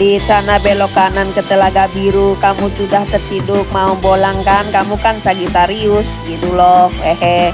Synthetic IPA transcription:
dit͡ʃanabelokanankət̪əlaɡabiɾukamut͡ʃudaht̪ərkidʊk̚maumbolaŋkankamukansaɡit̪aɾiʊsɡit̪ulɔhɛhɛ

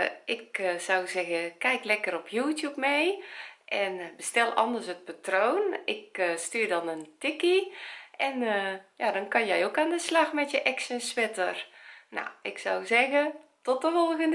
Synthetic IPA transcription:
ɪksawzɛɣəkɛjklɛkəɾɔpʰjuːtjupmejʔɛnbəstɛlˠɔndərsət̚patrownɪkstyːrdɔnəntɪkiʔɛnjadɔnkɔnjɛjokaːndəslɑxmɛtjəʔɛksənsʋɪtərna̰ɪksawzɛɣətɔt̚dəfɔlˠɣən

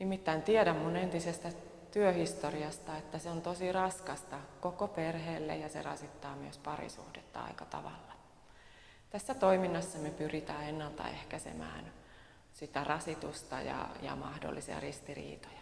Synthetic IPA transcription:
nimːit̪ːæint̪iedæmmunent̪isest̪æ | t̪yøhist̪oriɑst̪ɑet̪ːæseont̪osirɑskɑst̪ɑkokoperheːlːḛjɑsḛrɑ̰sit̪ːɑːmyøspɑrḭsṵhdet̪ːɑɑ̰ikɑt̪ɑʋɑ̰lːɑ | t̪æsːæt̪oiminːɑsːɑmepyrit̪æːenːɑlt̪ɑ̰ehkæsḛmæ̰ːn | sit̪ærɑsit̪ust̪ɑjɑ̰jɑ̰mɑhdo̰lːisiɑ̰rist̪irḭːt̪o̥jɑ̥

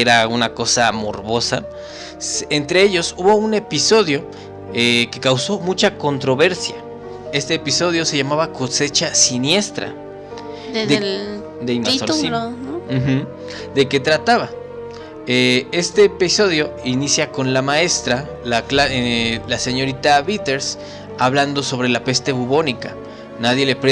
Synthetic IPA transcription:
eɾaunako̞saːmo̞ɾβo̞sa | sent̪ɾe̞e̞ʝo̞suβo̞une̞piso̞ðjo̞ | eke̞kawso̞mut͡ʃako̞nt̪ɾo̞βe̞ɾsja | e̞st̪eːpiso̞ðjo̞se̞ʝamaβako̞se̞t͡ʃasinje̞st̪ɾa̰ | e | d̪eimasoinoxm̩ | d̪e̞ke̞t̪ɾat̪aβa | ee̞st̪e̞ːpiso̞ðjo̞inisjako̞nlamae̞st̪ɾa | laklaelase̞ɲo̞ɾit̪aβit̪e̞ɾs | aβland̪o̞so̞β̞ɾe̞lape̞st̪e̞βuβo̞nika | naðje̞lepɾe

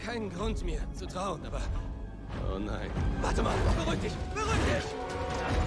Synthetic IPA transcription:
kʰaɪnənɡʁʊntmiːɐt͡sutʁ̥aʊənʔaːbɐ | ʔo̰ːna̰ɪnvaɐtəmaːlb̥əʁyk̚td̥ɪçb̥əʁyːk̚d̥ɪç

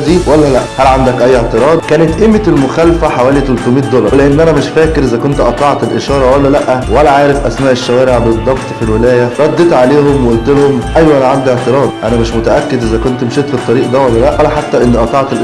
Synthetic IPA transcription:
d̪iːwælːælæʔhælʕand̪ækʔæjːeʕt̪eɾˤɑːd̪kæːnet̪ʔemːet̪elmoxælfæħawæːlit̪olt̪omiːt̪̚d̪olɑɾleʔenːʔænæmeʃfæːkeɾʔezækont̪ʔɑt̪ˤɑʕt̪elʔeʃɑːɾˤɑwælːælæʔːæwælːæʕaːɾefʔæ̰smæːʔeʃːɑɣæːɾeʕbed̪ˤːɑbt̪ˤfilwelæːjæɾˤɑd̪ːet̪ʕaleːhomweʔolt̪elhomʔæjwæʔænʕand̪ieʕt̪eɾˤɑːd̪ˤʔænæmeʃmot̪æʔækːed̪ʔezækont̪mʃeːt̪fit̪ˤːɑɾiːʔd̪æwælːælæʔlːæħat̪ːæʔenːiʔɑt̪ˤɑʕt̪elʔ

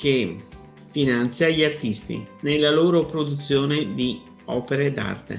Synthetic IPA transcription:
ke | finant̪sjaʎart̪ist̪ḭnelːaloːɾopɾod̪ut̪sːjoːned̪i | ɔːpeɾed̪a̰rt̪ḛ

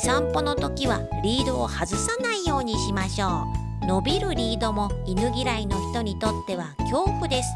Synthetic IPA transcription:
sãmpo̞no̞t̪o̞kʲiβa | ɾʲiːd̪o̞ːhazɨsanaijo̞ːɲ̟iɕimaɕo̞ː | no̞bʲiɾɯ̟ɾʲiːd̪o̞mo̞inɯ̟ɡʲiɾaino̞çi̥t̪o̞ɲ̟it̪o̞t̪ːe̞β̞akʲo̞ːɸɯ̟d̪e̞sɨ̥

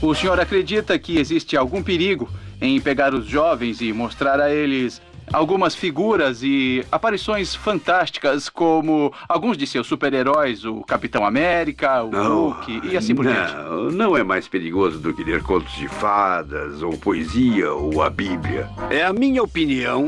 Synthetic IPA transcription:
ʊsẽɲoɾakɾed͡ʒit̪ɐkɪezist͡ʃɪawɡũpeɾiɡʊẽj̃peɡaɾʊzʒɔvẽj̃zɪmost̪ɾaɾɐelɪs | a̰wɡũmɐsfiɡuɾɐzɪapaɾisõj̃sfɐ̃nt̪ast͡ʃi̥kɐskõmʊ | awɡũzd͡ʒɪsewsːupeɾeɾɔjzʊkapit̪ɐ̃w̃amɛɾikɐõukʰiːasĩpoɾʒẽt͡ʃɪnɐ̃w̃ɛmajspeɾiɡozʊd̪ʊkɪd̪eɾkõt̪ʊzd͡ʒɪfad̪ɐzo̰wpoeziɐ̰owɐ̰bibliɐ̰ɛɐmĩɲɐopiniɐ̃w̃

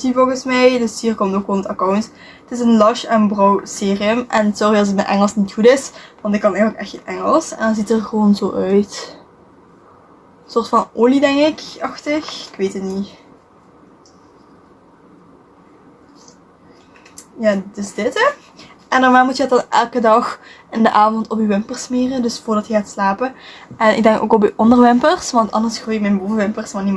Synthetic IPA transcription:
sivolˠɣənsmɛjdəsɦiːrkɔmtoːkʋoːnətɑkawnt | ətɪsənlɑʃɛnbrɔwseːriəmʔɛ̰ntsɔriɑs̬ət̚mɛʔɛŋəlˠsnitxutɪsʋɑntɪkːɑnɛjələkɛxtənʔɛŋəlˠsɛ̰ndɑnzitərɣəʋoːnzo̰ːʔœɥt | soːrtfɑnoːlidɛŋkɪkɑxtəxɪkʋeːtətni | jaːdəsdɪtə | ʔɛndɔrmaːmutjəət̚dɑnʔɛ̰lˠkədɑx | ɪndəʔaːvɔntɔpyʋɪmpərsmeːrəndɵsfʊːɹdɑtjəxaːtslaːpəʔɛnɪɡ̚dɛŋko̰ːkɔp̬yʔɔndərʋɪmpərsʋɑntɑ̰ndərsxoːjəmɛjnboːvəʋɪmpərsmanim

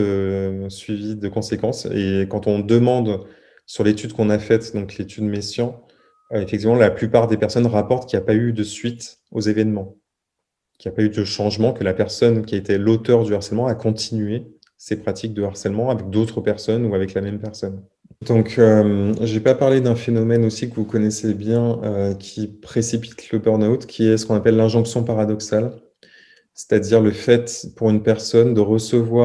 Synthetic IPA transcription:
əsɥivid̪əkɔ̃sekɑ̃sḛkɑ̃t̪ɔ̃d̪əmɑ̃d̪ | syʁlet̪yd̪kɔ̃nafɛt̪d̪ɔ̃klet̪yd̪mesjɑ̃ | efɛk̚t̪ivmɑ̃laplypaʁd̪epɛʁsɔnʁapɔʁt̪kʲilapayd̪əsɥit̪ | ozevɛnmɑ̃ | kʲiljapayd̪əʃɑ̃ʒmɑ̃kəlapɛʁsɔnkʲiet̪elot̪œʁd̪yaʁsɛlmɑ̃akɔ̃t̪inɥe | sepχat̪ʰik̚d̪əaʁsɛlmɑ̃avɛk̚d̪ot̪χəpɛʁsɔnuavɛklamɛmpɛʁsɔn | d̪ɔ̃kømʒepapaʁled̪ɛ̃fenɔmɛnosikəvukɔnɛsebjɛ̃økʲʰipχesipi̥t̪ʰləbœʁnawt̪kʲʰiɛsə̥kɔ̃napɛlːɛ̃ʒɔ̃ksjɔ̃paʁad̪ɔksal | se̥t̪ad̪iʁləfɛt̪puʁynpɛʁsɔnd̪əʁəsəvwa

